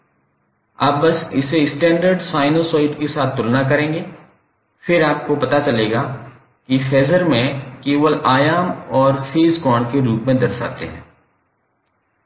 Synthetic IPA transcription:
a̰ːb̚bɐsɪseɪsʈɛ̃ːɳɖəɾɖsaːɪnosɔːɪɖkesaːt̪ʰt̪ʊlnakɐɾẽːŋɡeː | fɪɾaːp̚kopɐt̪at͡ʃɐleːɡa | kifʰɛːzəɾmẽkeːʋəlaːjaːmɔːɾfeːzkɔːɳɖkeɾuːpmẽd̪ɐɾsa̰ːt̪ḛɦɛ̰̃ː

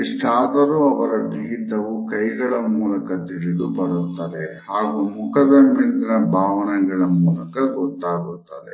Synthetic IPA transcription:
iʂʈʰaːd̪ɐɾuɐʋɐɾɐɖiɡit̪ɐʋukɐjɡɐɭɐmuːlɐkɐt̪iɭid̪ubɐɾut̪ːɐːd̪ehaːɡumukʰɐd̪ɐmːind̪inɐbʱaːʋɐnɛɡɐɭɐmuːlɐkɐɡɔt̪ːaːɡut̪ːɐd̪ḛ

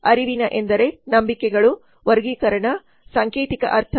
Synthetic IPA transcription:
ɐɾiʋinɐʔe̞nd̪ɐɾe̞nɐmbikɛɡɐɭu | ʋɐɾɡiːkɐɾɐɳɐ | saːŋkeːt̪ikɐ̰ʔɐɾt̪ʰɐ

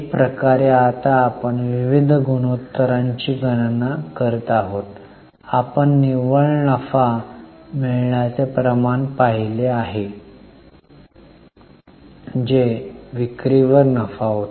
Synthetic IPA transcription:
pɾəkaɾeat̪aːpəɳʋiʋid̪ʱɡuñot̪ːəɾaɲt͡ɕiːɡənnakəɾt̪aɦot̪ | apəɳːiʋəɭnəfamiɭɳjat͡sepɾəmaɳpaɦileaɦe | d͡ʑeʋikɾiʋəɾnəfaɦot̪

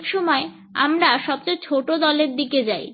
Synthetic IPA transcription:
kʃɔmɔe | a̰mɾaʃɔb̚t͡ɕet͡ɕʰoʈod̪ɔleɾd̪iked͡ʑaj

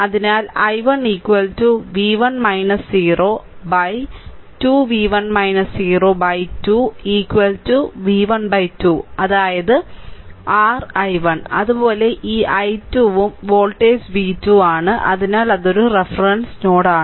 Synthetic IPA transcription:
ɐðinaːlɐjʋɐɳiːkʋɐltuʋiːʋɐnmɐjnɐshiːroːbɐjtuʋiːʋɐnmɐjnɐshiːroːbɐjtuiːkːʋɐltuʋiːʋɐɳbɐjtuːɐðaːjɐðɨ | aːrɐjʋɐɳɐðubo̞ːle̞ʔiːʔɐjtuːʋumʋo̞ːɭʈeːsʋiːtːuːaːɳɨʔɐ̰ðinaːlɐðo̞ɾurefrɐnsnoːɽaːɳɨ

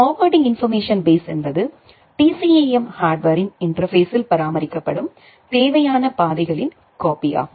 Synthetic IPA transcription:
oːʋɐɾɖɪ̃ŋɡɪnfɐɾmeːʂɐnbeːsɛnbɐðɯ | ʈisieɛmhaːɾɖʋɐɾɪnɪndrɐfeːsɪlpɐɾaːmɐɾɪkːɐpːɐɽɯm | t̪eːʋɐjaːnɐpaːðɐɪɣɐɭɪn | koːpɪja̰ː

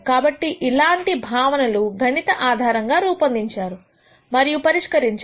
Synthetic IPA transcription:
kaːbɐʈːiʔilaːɳʈibʱaːʋɐnɐluɡʱɐɳit̪ɐʔaːd̪ʱaːɾɐŋɡaːɾuːpɐnd̪iɲt͡ʃaːɾu | mɐɾijupɐɾiʂkɐɾiɲt͡ʃ

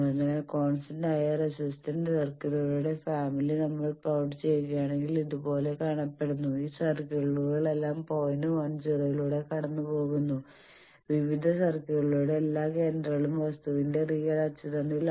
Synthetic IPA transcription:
ɐnːekoːɳsɐndɐjɐrɐsistɐnɖsɐrkɐɣɐɣɭuːɽe̞faːmilinɐmːɐɭpɐwʈɨt͡ɕe̞jkːjaːɳe̞ŋɡiliðupo̞ːle̞kaːɳɐpːe̞ɽunːuiːsɐrkeɐɭuɣɐɭe̞lːaːmpo̞ːjnɨɐnd͡ʑirɐɣɐɭuːɽe̞kɐɽɐnːupo̞ːɣunːu | ʋiʋid̪ʱɐsɐrkɐɣɐɭuːɽe̞ːlːaːke̞ːndrɐɣɐɭumʋɐst̪uʋinde̞riːɐɽat͡ɕːiðɐɳil

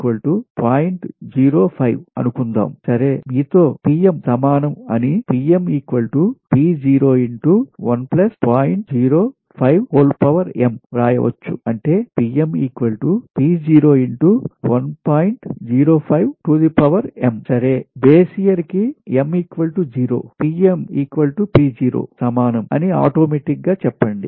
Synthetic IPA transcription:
kʋɐlʈupaːjiɳʈd͡ʒiːɾo̞ːpʰɐjʋɐ̰nukund̪a̰ːmsɐɾe̞ːmiːt̪o̞ːpiːemsɐmaːnɐmɐnipiːemiːkʋɐlʈupiːd͡ʒiːɾoːiɳʈuʋɐnplɐspaːjiɳʈd͡ʒiːɾoː | pʰɐjʋkoːlpɐʋɐɾḛmɾaːjɐ̰ʋɐ̰t͡ʃːṵɐɳʈe̞ːpiːemiːkʋɐlʈupiːd͡ʒiːɾo̞ːiɳʈuʋɐnpaːjiɳʈd͡ʒiːɾo̞ːpʰɐjʋʈuːd̪ipɐʋɐɾemsɐɾe̞ːbeːsijɐɾkiemiːkʋɐlʈud͡ʒiːɾo̰ːpiːemiːkʋɐlʈupiːd͡ʒiːɾo̞̰ːsɐmaːnɐmɐ̰nia̰ːʈoːmeːʈik̚ɡaːt͡ʃɛpːɐɳɖḭ

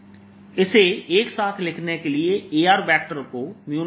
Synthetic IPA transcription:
ɪseːeːksaːt̪ʰlɪkʰneːkelɪeːeːaːɾbɛːk̚ʈəɾkoːmjuː

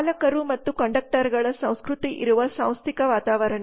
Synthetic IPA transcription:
lɐkɐɾumɐt̪ːukɐɳɖɐk̚ʈɐɾɡɐɭɐsɐ̃w̃skɾut̪iʔḭɾuʋɐsɐ̰̃w̃st̪ʰikɐʋaːt̪aːʋɐɾɐɳɐ

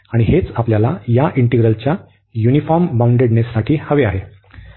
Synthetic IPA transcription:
aɽ̃iɦet͡sapljalajaʔiɳʈiɡɾəlt͡ɕja | junifɔɾmbauɳɖeɽnesɾaʈʰiːhəʋeaɦe

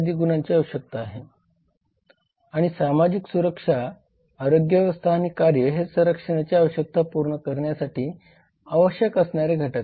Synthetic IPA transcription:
d̪iːɡunaɲt͡ɕiəʋɕjək̚t̪aːɦe | aɽ̃isamad͡ʑiksuɾəkʂaː | ɾoɡjəʋəst̪ʰaañikaɾjəɦesəɾəkʂəɽ̃at͡ɕjaaʋəɕjək̚t̪apuɾɳəkəɾɳjasaʈiː | aʋəɕjəkəsɳjaɾeɡʱəʈət̪

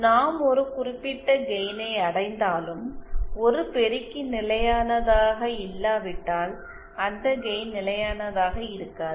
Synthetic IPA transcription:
naːmɔɾɯkʊrɪpːɪʈːɐɡɛjnɐɪɐɽɐɪnd̪aːlɯmɔɾɯpɛɾɪkːinɪlɐjaːnɐðaːɣɐɪlːaːʋɪʈːaːl | ɐnd̪ɐɡɛjnnɪlɐjaːnɐðaːɣɐɪɾɯkːaːð

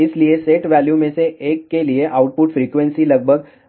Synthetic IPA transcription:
ɪslieseʈʋæljumẽseʔeːkːelieʔaʊʈ̚pʊʈfɾiːkʋẽnsilɐɡ̚bʱəɡ

